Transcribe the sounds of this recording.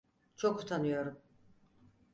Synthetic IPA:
t͡ʃʰoku̥t̪ʰanɯjo̞ɾum

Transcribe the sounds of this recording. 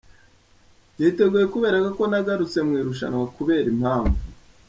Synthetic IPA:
jite̞ɡuːje̞kuβe̞ːɾakako̞naɡaɾut͡se̞mŋiːɾuʃ̬a̰nakuβe̞ːɾimhaːɱvu

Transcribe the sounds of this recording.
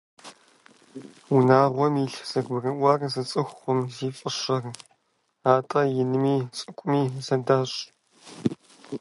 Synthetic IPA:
unaːʁʷɔmiːɬz̥ɐɡbɨrɐʔʷɐːrzɐt͡sʼɨxʷʊmziːfʼɨɕɐr | aːtʼɐjɪnɨmiːt͡sʼɨkʷʼʊmiːzɐdaːɕʼ

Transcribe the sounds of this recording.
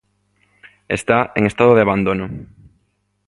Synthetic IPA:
est̪aeŋest̪aðoð̞eaβand̪onʊ

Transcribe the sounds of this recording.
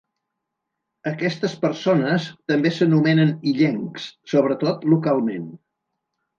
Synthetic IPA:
əkɛst̪əspəɾsonəst̪əmbesənumɛnəniʎeŋkssoβ̞ɾət̪ot̪lukalˠmen

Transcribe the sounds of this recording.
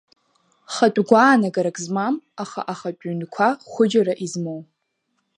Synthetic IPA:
χatʷʼɡʷaːnaɡaɾakʼzmamaχa̰ʔaχat͡pʷʼynkʷʰaχʷʊd͡ʒaɾaʔizmow

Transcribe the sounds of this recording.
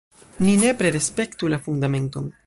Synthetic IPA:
nine̞pɾe̞ɾe̞spe̞ktulafundame̞nto̞n

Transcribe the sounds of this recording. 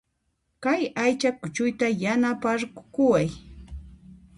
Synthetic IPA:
kajajt͡ʃakʊt͡ʃʊjt̪ajanapaɾkʊwaj

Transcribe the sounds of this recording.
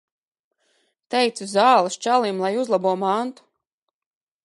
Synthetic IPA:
t̪ɛjt̪suzaːlˠɨst͡ʃalˠimlˠajuzlˠabuɔmant̪u̥

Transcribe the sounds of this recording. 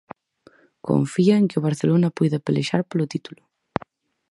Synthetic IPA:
ko̰ɱfiaeŋkɪoβ̞aɾθelonɐpojðɐpelḛʃaɾpolʊt̪it̪ulʊ

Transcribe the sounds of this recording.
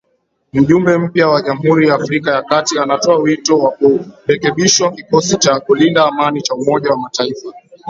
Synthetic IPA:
m̩ʄumbɛm̩pjawaʄam̩huɾijaːfɾikajakatianatɔawitɔwakuɾɛkɛɓiʃwakikɔsit͡ʃakulindaːmanit͡ʃaumɔʄawamataifa

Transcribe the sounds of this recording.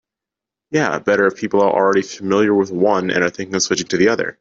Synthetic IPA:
jæ̰b̥ɛɾə˞ɨvpʰipl̩ˠə˞ʔl̩ˠɹɛɾifəmɪlˠjə˞wɪðwʌ̃nɨ̰̃nə˞θɪ̃ŋkɨsɪt͡ʃɪ̃ŋtʰɨðiʌðə̰˞

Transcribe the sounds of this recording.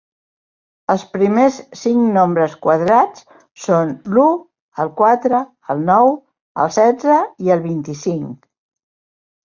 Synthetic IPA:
əlˠspɾimesːiŋnombɾəskwəðɾat͡s | sonlu | əlˠkwat̪ɾəː | lˠnɔw | ə̰lˠsɛd͡zəiəlˠβint̪isiŋ

